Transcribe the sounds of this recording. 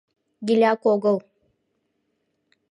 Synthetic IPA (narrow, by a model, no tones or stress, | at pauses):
ɡʲilʲakoɡəlˠ